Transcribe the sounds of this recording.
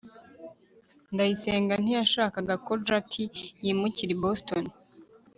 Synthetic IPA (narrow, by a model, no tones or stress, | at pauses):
ndajiseːŋɡan̥ijaʃaːkaɡakod͡ʒakʰijiːmuciɾiboston